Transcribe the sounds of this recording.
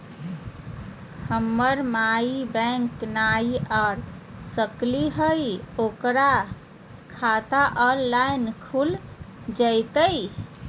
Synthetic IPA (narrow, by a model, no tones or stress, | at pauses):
həmːəɾmaibɛ̃ŋknaiʔaɾsəkliɦəjokɾa | kʰat̪aʔɔnlajnkʰul | d͡ʒəjt̪əj